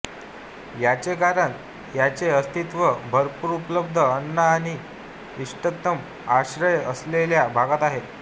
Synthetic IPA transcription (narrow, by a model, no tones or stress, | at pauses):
jat͡ɕekaɾəɳ | jat͡seəst̪it̪ʋəbʱəɾpuːɾupləb̚d̪ʱəːnːaːɽ̃i | iʂʈək̚t̪əm | aɕɾəjəsleljabʱaɡat̪aɦet̪